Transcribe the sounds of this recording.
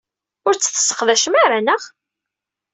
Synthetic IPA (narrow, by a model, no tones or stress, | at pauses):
ʊɾt͡sːə̥θə̥sːə̥qðæʃəmaɾænəʁ